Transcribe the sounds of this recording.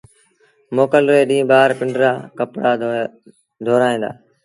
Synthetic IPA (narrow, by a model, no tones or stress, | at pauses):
moːkəlɾeːɗĩːɓaːɾpɪɳɖɾaːkəpɽaː | d̪ʱoːɾaːĩːd̪a̰ː